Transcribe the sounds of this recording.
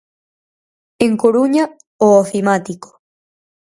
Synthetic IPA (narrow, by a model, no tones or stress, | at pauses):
eŋkoɾuɲa | oofimat̪iko̥